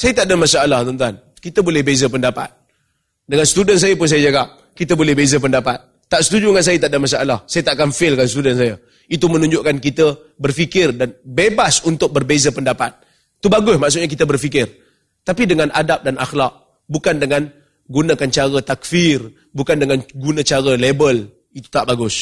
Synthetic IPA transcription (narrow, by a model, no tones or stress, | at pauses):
sajət̪aʔdəmasaalaht̪ənt̪uan | kit̪əbolɛhbezəp̬əndapa̰t̪̚ | dəŋansə̥t̪udəns̬ajəpʊns̬ajəd͡ʒaɡap̚ | kit̪əbolɛhbezəp̬əndapat̪̚ːaʔsə̥t̪ud͡ʒuŋans̬ajət̪aʔdəmas̬aʔalahsajət̪aʔkamfɪlkansət̪udans̬ajə | it̪umənũɲd͡ʒʊʔkankit̪ə | bərfikɪrdanbebasunt̪ʊk̚bərbezəpəndapat̪̚ | it̪ubaɡʊsmaʔs̬ʊʔ̚ɲak̬it̪əbərfik̬ɪr | t̪apidəŋanʔadap̚dana̰xlak̚ | bukandəŋan | ɡunakant͡ʃaɾət̪ak̚fir | bukandəŋanɡunə̃t͡ʃaɾəlebəl | it̪u̥t̪aʔbaɡʊs